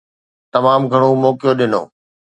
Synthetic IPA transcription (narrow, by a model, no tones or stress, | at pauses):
t̪ɐmaːmɡʱɐɽ̃omɔːkɪjoɗɪno̰ː